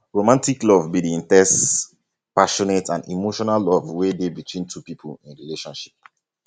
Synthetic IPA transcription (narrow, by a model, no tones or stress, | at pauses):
ɹomãntiklɔvbidiĩntɛs | paʃɔnetʰãndḭmoʃɔnalːɔvwedebitʰwĩntʰupipʰulĩnɹileʃɔ̃nʃi̥p̚